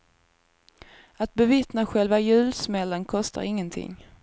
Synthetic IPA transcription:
at̪̚bɛvɪt̪naɧɛlvajʉ̟ːlsmɛlːənkʰɔst̪a̰ɾɪŋːənt̪ʰɪ̰ŋː

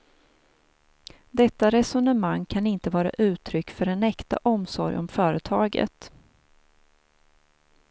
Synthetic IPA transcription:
d̪ɛt̪ːaɾɛsɔnəmaŋːkʰanɪnt̪əvɑːɾa̰ʔʉ̟ːt̪ʰɾʏkːfœɖɛnɛkt̪a̰ʔɔmsɔɾjɔ̰mfœːɾət̪ʰɑːɡə̰t̪

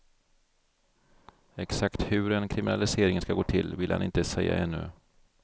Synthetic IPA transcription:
ɛksakt̪hɵɾɛnkʰɾɪmɪnalɪseːɾɪŋənskaɡoːt̪ʰɪlvɪlha̰nɪnt̪əsɛjːa̰ʔɛnːɵ̰

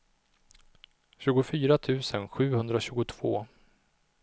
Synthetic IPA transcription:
ɕʉ̟ːɡʊfyːɾat̪ʰʉ̟ːsənɧʉ̟ːhɵnd̪ɾaɕʉ̟ːɡʊt̪ʰv̥o̰ː

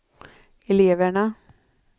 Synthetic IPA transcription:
ɛleːvəɳa

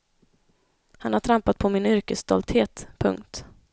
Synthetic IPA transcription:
hanhaʈʰɾampat̪̚pʰɔmɪnʏɾkəsːt̪ɔ̰lt̪heːt̪pʰɵ̰ŋk̚t̪

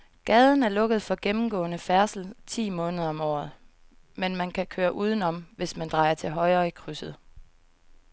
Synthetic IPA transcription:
ɡ̥ɛːð̞ˠn̩æɐlɔ̽ɡ̥ð̞̩ˠfɒ̽ɡ̥emm̩ɡ̥ɔ̰̽ːnəfæɐsl̩t͡sʰḭːmɔ̽ːnəðˠɐɒ̽mɒ̰ːð̩ˠ | menmænkʰækʰøːɐʔuːð̞ˠn̩ɒ̽mʋe̝smænd̥ʁɑ̈ɪɐt͡sʰe̝lɦɒ̽ɪʁɐːikʰʁysəð̩ˠ

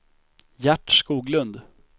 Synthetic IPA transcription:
jæʈːʂkuːɡlɵnd̪

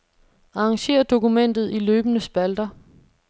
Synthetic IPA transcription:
ɑ̈ɑŋɕe̝̰ːɐd̥o̝kumen̰d̥ð̞̩ˠiløːb̥ənəsb̥æld̥ɐ

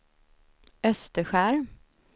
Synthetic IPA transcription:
œst̪əɧæːɾ

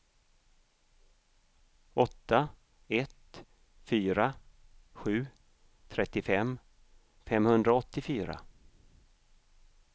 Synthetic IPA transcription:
ɔt̪ːa | ɛt̪ | fyːɾaɧʉ̟ː | t̪ʰɾɛt̪ːɪfɛm | fɛmhɵnd̪ɾaɔt̪ːɪfyːɾa̰

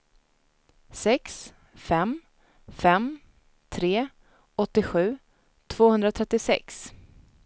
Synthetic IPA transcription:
sɛks | fɛm | fɛm | t̪ʰɾeː | ɔt̪ːɪɧʉ̟ː | t̪ʰv̥oːhɵnd̪ɾat̪ʰɾɛt̪ːɪsɛ̰ks

